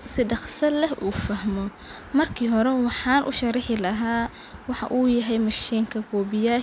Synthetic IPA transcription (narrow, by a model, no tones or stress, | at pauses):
sɪɖɑχsɐlɛɦʔuːfɐhmɔ | mɐrkʰiːɦɔɾɛwɑħɑːnʔʊ̰ʃɐɾɪħɪlɐɦaː | wɑħɑ̰ʔuːjɐɦɛjmɐʃiːŋkʰɐkʰɔːbɪjaː